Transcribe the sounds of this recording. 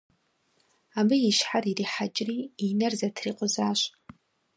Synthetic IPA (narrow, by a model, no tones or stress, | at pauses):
amɨjiʃħaririħat͡ʃʼriinɨrzatʰriqʷʼʊzaːʃʷ